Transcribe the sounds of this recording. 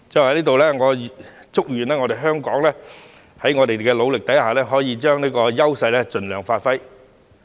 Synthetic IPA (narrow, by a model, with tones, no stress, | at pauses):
t͡sɐ˨whɐ˨˦jliː˥t̪o˨wlɛː˥ŋɔː˨˧t͡sʊ˥k̚ɥyː˨˩nlɛː˥ŋɔː˧ɾe˨˩jɦœː˥ŋkɔː˨˥ŋlɛː˥ | hɐ˨˥jŋɔː˨˧t̪e˨jkɛː˧lo˨˧wlɪ˨k̚t̪ɐ˨˥jhaː˨lɛː˥ɦɔː˨˥jiː˨˧t͡ʃœː˥ŋniː˥kɔː˧jɐ˥wsɐ˧jlɛː˥t͡sɵ˨nlœː˨˩ŋfaː˧t̚fɐ˥j